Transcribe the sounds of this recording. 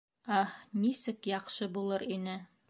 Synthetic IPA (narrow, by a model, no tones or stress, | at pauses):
æhnisɘkjɑqʃɤbulˠɤɾinɘ